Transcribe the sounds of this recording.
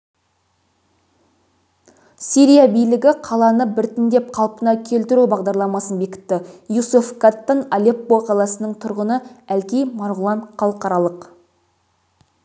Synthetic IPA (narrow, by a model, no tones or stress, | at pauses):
siɾʲijabijlɪɡʲɪqʰɑlˠɑnəbɪɾt̪ɪnd̪e̞p̚qʰɑlˠpənɑkʲʰe̞lt̪ɪɾubɑʁd̪ɑɾlˠɑmɑsənbe̞kʲɪ̥t̪ːɪjusufkat̪ːənalʲepːoqʰɑlˠɑsənəɴt̪ʰʊɾʁənəælkʲijmɑɾʁʊlˠɑnχɑlˠəqɑɾɑlˠəq